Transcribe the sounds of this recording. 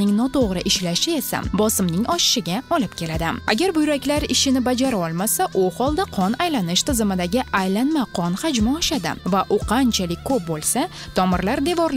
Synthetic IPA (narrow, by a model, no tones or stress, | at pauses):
nɪŋnɒt̪ʰoʁɾɪʔɪʃlaʃɪe̞sa̰bɒsɪmnɪŋɒʃɪ̥ʃɪɡʲaɒlɪpkʲʰe̞lad̪ɪa̰ɡʲaɾbʊjɾakʲlaɾɪʃɪnɪbad͡ʒaɾaɒlˠmasaʔuhɒlˠd̪aqʰɒnajlanɪʃt̪ʰɪzɪmɪd̪aɡʲɪajlanmaqʰɒnχad͡ʒmaɒʃad̪ɪ̰vaʔʊqʰɑnt͡ʃʰalɪkʲkʰɵp̚bolˠsa | t̪ʰɒmɪɾlaɾd̪e̞vɒɾl